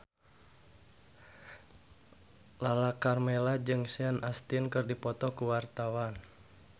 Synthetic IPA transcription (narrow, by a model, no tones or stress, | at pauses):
lalakarmɛlad͡ʒɨŋsianʔast̪inkɨrdipɔt̪ɔkuwart̪awan